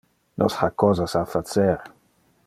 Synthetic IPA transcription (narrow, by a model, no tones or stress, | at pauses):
nʔɔ̰shakɔzasafat̪sɛɾ